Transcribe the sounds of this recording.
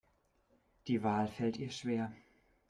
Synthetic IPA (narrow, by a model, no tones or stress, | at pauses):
d̥iːvaːlfɛltiːɐʃv̥eːɐ